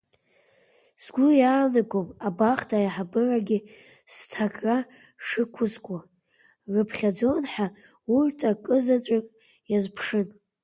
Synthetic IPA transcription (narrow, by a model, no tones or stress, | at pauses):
sɡʷʊjaːnɨɡʷʼopʼabaχtʰajaħabɨraɡʲɪ | stʰakʼra | ʂɨkʷʰʊzkʷʼa | rɨpʰχʲad͡zo̞nħa | urtʰʼakʼɨzat͡ʃʷʼakʼ | jazpʰʂɨnʼ